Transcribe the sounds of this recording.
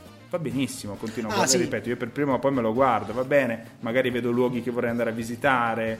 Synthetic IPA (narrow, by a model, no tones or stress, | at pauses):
vabːenisːimokont̪iːnwaaaɾipɛːt̪oiːoperpɾiːmoapːɔjmeloɡward̪ovabːɛːne | maɡaːɾiveːd̪olwɔːɡik̟evːorːɛjand̪aɾeavːizit̪aːɾe